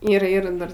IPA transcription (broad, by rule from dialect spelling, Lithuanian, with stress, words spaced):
ɪr ˈɪr ˈdɐr